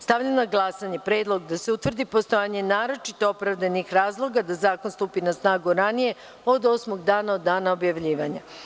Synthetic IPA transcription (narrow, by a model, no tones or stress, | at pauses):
st̪aʋʎamnaɡlˠasaɲe̞pɾe̞ːd̪lˠo̞ɡd̪aseut̪ʋr̩d̪ipo̞st̪ojaɲe̞naːɾo̞t͡ʃit̪o̞opɾaʋd̪anixɾaːzlˠo̞ɡad̪azaːko̞nst̪uːpinasnaːɡuɾanije̞ | o̞d̪o̞smo̞ɡd̪aːnaod̪ːaːnaobjaʋʎiːʋaɲa